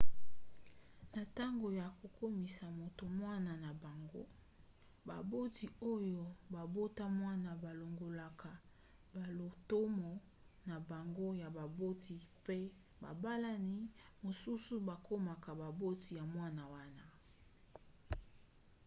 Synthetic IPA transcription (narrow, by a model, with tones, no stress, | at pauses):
na˨ta˦ŋɡo˨ja˨ko˨kʰo˦mi˨sa˨mo˨to˨mwa˦na˨na˨ba˨ŋɡo̰˦ | ba˨bo˦ti˨o˦jo˨ba˨bo˦ta˦mwa˦na˨ba˨lo˨ŋɡo˨la˨kʰa˨ | ba˨lo˨to˦mɔ˨ | na˨ba˨ŋɡo˦ja˨ba˨bo˦ti˨pe˦ | ba̰˨ba˦la˦ni˦mo˨su˦su˦ba˨ko˦ma˨ka˨ba˨bo˦ti˨ja˨mwa˦na˨wa˦na˨